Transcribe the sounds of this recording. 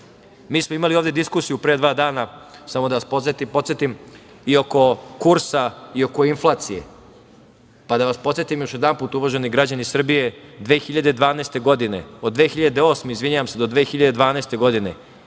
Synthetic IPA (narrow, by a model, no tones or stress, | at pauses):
miːsmoimalioːvd̪e̞d̪iskuːsijupɾe̞ːd̪ʋaːd̪aːnasamod̪aʋaspot̪ipo̞t̪set̪im | io̞ko̞kuɾsaio̞ko̞inflˠaːt̪sijḛ | pad̪aʋaspo̞t̪sjet̪imjo̞ʃjed̪anpuːt̪uʋaʒeniɡɾad͡ʑanisr̩bije̞d̪ʋeːxiʎad̪ed̪ʋaːneːst̪e̞ɡo̞d̪ine̞̰od̪d̪ʋeːxiʎad̪eo̞ːsmeizʋiɲaʋamse̞d̪o̞d̪ʋeːxiʎad̪ed̪ʋaːneːst̪e̞ɡo̞d̪ine̞